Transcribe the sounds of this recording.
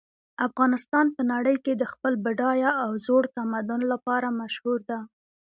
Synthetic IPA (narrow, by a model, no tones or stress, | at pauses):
afɣɑnɪst̪ɑnpənaɽəjked̪əxpəlbɪɖɑjaːwzoɽt̪amad̪ʊnlapɑɾamaʃhuɾd̪a